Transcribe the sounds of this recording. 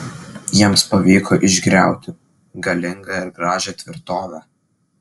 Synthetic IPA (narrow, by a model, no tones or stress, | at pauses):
jiɛmspɐʋʲiːkʰoːʔɪʒʲɡɾʲæˑʊt̪ʲɪ | ɡɐlʲɪŋɡɐɪɾɡɾɑːʒʲɛt̪ʲʋʲɪɾt̪oːʋʲæː